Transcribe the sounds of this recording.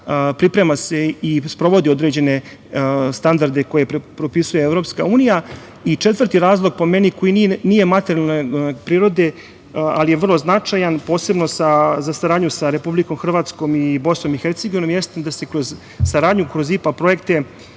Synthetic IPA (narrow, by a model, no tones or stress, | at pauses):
pɾipɾe̞mase̞ispɾo̞ʋo̞d̪io̞d̪ɾed͡ʑe̞ne̞ | st̪and̪aɾd̪e̞ko̞jepɾopisuje̞evɾo̞pska̰uːnija | it͡ʂe̞t̪ʋər̩t̪iɾaːzlˠo̞ɡ̚po̞meniko̞jininije̞mat̪eɾijalˠnopɾiːɾo̞d̪e̞ | alijeʋr̩lˠo̞znat͡ʂajanpo̞ːse̞bno̞sazasaɾaːd̪ɲusaɾe̞publiko̞mxr̩ʋaːt̪sko̞mibo̞sno̞mixeɾt̪seɡo̞ʋino̞mjest̪ed̪ase̞kɾoz | saɾaːd̪ɲukɾozipapɾo̞je̞kt̪e̞